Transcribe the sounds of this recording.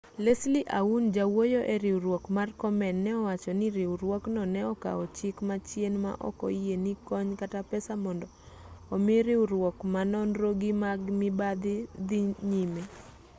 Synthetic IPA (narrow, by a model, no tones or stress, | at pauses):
lesliʔaund͡ʒawojoʔeɾɪuɾwɔkmarkɔmɛnːɛɔwat͡ʃɔniɾɪuɾwɔknɔnɛɔka̰ɔt͡ʃikmat͡ʃjenma̰ʔɔ̰kɔ̰ijenikɔɲkatapɛsamɔndɔː | mɪɾɪuɾwɔkmanɔnɾoɡimaɡmɪbad̪ɪd̪iɲime